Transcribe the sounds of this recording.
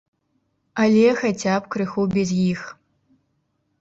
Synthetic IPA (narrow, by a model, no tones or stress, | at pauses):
alʲexat͡sʲapkɾɨxubʲɛzjix